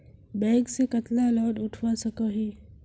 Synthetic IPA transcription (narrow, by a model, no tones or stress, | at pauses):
bɛ̃ːɡsekət̪lalɔːɖʊʈʰʋasəkoɦiː